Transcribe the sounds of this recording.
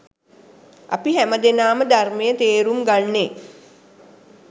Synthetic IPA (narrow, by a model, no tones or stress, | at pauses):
ʔa̰piɦæməd̪enaːməd̪armejət̪eːɾumɡanːe